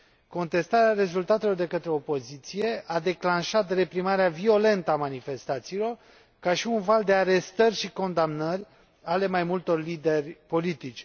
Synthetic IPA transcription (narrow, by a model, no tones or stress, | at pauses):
ko̞nt̪e̞st̪aɾeaɾe̞zult̪at̪e̞lo̞rd̪e̞kət̪ɾeo̞po̞zit̪sije̞ʔad̪e̞klanʃat̪re̞pɾimaɾeavio̞le̞nt̪əamanife̞st̪at̪siːlo̞r | kaʃiunvald̪e̞aɾest̪ərʲʃiko̞nd̪amnərʲ | ale̞majmult̪o̞rlid̪e̞rʲpo̞lit̪it͡ʃʲ